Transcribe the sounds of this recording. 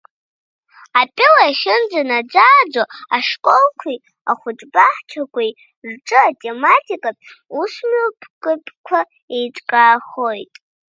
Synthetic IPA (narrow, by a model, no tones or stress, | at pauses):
apʼɪlaaʃɪnd͡zanad͡zaːd͡zoaʂkʷʼolkʷʰi | aχʷʊʈ͡ʂʼbaħt͡ʃʰakʷʰʼij | rʈ͡ʂʼɨatʼematʰikʼapʼ | usmɨpʰʼkʼɨpʰʼkʷʰa | ejʈ͡ʂʼkʼaːχo̞jtʼ